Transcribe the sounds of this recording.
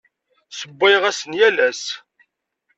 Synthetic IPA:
səbːɪʁæsənjælæs

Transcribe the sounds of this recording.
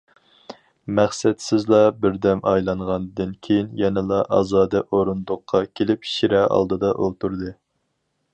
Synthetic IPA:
mæχsɛt̪sɪzlˠɑbɪɾd̪ɛmɑjlˠɑɴʁɑnd̪ɨnkʲʰejinjɛnɪlˠɑʔɑzɑːd̪ɪʔoɾund̪ʊqʰːɑkʲʰelɪpʰi̥ʃiɾɛʔɑ̰lˠd̪ɨd̪ɑʔolˠt̪ʰuɾd̪ɨ

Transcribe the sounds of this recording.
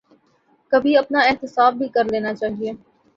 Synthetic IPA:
kɐbʱiɐpnaɪɦt̪ɪsaːbbʱikɐɾleːnat͡ʃaːɦieː

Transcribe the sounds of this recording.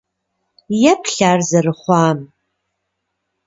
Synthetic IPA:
japʰɬaːrzarχʷaːm

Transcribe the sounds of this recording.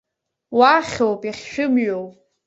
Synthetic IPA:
waχʲowpʼiχʲʃᶣʊmɥowpʼ

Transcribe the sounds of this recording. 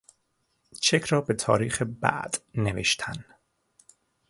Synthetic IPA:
t͡ʃʰecʰɾɒːbe̞t̪ʰɒ̰ːɾiːxebæ̰ʔd̪̥nevḛʃt̪ʰæn

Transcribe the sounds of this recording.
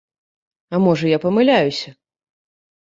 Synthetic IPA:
ɐmɔʐɐjapɐmɨlʲajusʲɐ

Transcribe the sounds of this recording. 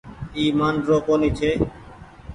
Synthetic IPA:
iːmaːnɖɾoːkoːniːt͡ʃʰeː

